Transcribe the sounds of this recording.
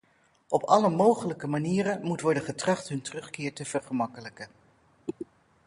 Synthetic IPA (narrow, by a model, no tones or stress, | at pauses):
ʔɔpʰɑləmowχələkəmaniːɾəmutʋɔɹdəχətrɑχtɦɵntərɵχkɪːɹtəv̥əɹχəmɑkələkə